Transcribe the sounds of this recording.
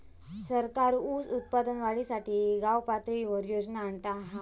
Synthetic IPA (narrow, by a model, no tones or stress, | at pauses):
səɾkaɾusut̪̚pad̪ənʋaɭisaʈiːɡawpat̪ɾiʋəɾjod͡znaːɳʈaɦa